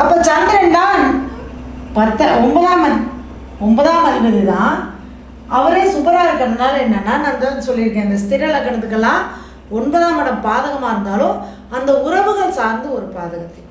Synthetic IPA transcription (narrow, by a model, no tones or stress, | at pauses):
ɐpːoːt͡ʃaːɾɛɳɖaːn | pɐt̪ːɐɔmbɐðaːmɐ | ɔmbɐðãːmɐɾɡɐðɯt̪ãː | ɐʋɐɾeːsʊbɐɾaːɪɾɯkːɐnɯnaːlɛnːɐnːaːnaːnd̪aːsɔlːɪɾɯkːẽːɐnd̪ɐst̪ɪɾɐlɐkːɐɳɐt̪ːɯkːɐlːãː | ɔnbɐðaːmɐɽɐmpaːðɐɣɐmaːɪɾɯnd̪aːlʊ̃ | ɐnd̪ɐʊɾɐʋɯɣɐɭsaːɾnd̪ɯɔɾɯpaːðɐɣɐt̪ːɛ